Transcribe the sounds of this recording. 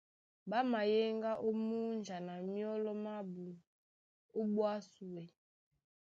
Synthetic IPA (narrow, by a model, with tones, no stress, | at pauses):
ba˦ma˨je˦ŋɡa˦ʔo˦mu˦nd͡ʒa˨na˨mi˦ɔ˦lɔ˦ma˦bu˨ | o˦bwa˦su˨we˨